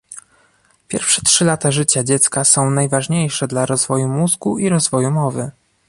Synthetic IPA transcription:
pʲjɛ̰ɾfʂɛtʂɘlat̪aʐɘt͡ɕad͡ʑɛt̪skasɔ̃w̃najvaʐɲejʂɛd̪laɾɔzvɔjumuzɡuiɾɔzvɔjumɔvɘ

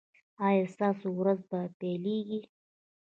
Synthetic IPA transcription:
ɑjɑst̪ɑsowɾazbapeleɡi

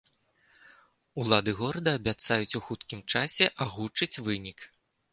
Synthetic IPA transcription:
ulˠad̪ɨɣɔɾɐd̪ɐːbʲat̪sajut͡sʲuxut̪kʲimt͡ʂasʲɛʔaɣut͡ʂɐt͡sʲvɨnʲik

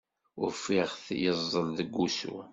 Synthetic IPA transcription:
ʊɾfiʁθjəzˤːəlðəɡːusṵ

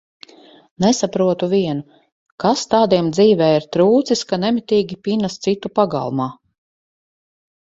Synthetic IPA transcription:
nɛsapɾuɔt̪uvʲiɛnu | kast̪aːd̪iɛmd̪ziːvɛːiɾt̪ɾuːt̪siskanɛmit̪ʲiːɡʲipinast̪sit̪upaɡa̰lˠmaː

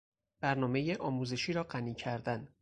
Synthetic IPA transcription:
b̥æɾnɒːme̞jeʔɒːmuːze̞ʃiːɾɒːɢæniːcʰæɾd̪æn

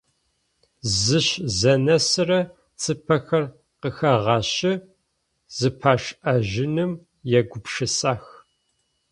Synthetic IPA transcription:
zɨɕzɐnɐsɨrɐ | t͡sʰʼɨpʰɐxɐr | qəxɐʁɑːɕɪ | z̥ɨpʰaːʂʔɐʒɪnɨm | jɛɡʷʊpʂɨsaːx

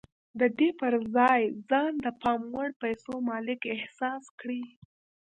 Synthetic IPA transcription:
d̪əd̪epəɾzɑjzɑnd̪əpɑmwəɽpajsomɑlɪkɪhsɑskɽi

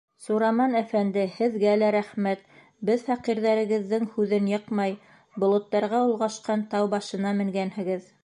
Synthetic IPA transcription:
suɾɑmɑnæfænd̪ɘhɘ̆ðɡælæɾæχmæt̪̚ | bɘðfɑqiɾðæɾɘ̆ɡɘ̆ðːɘŋhʉðɘnjɤqmɑj | bŏlˠŏt̪ːɑɾʁɑulˠʁɑʃqɑnt̪ɑwbɑʃɤ̆nɑmɘ̆ŋɡænhɘ̆ɡɘð

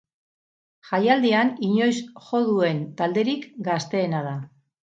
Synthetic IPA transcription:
ʝajald̪ianiɲo̞jsʝo̞ðue̞nt̪ald̪e̞ɾikɡast̪e̞ːnað̞a

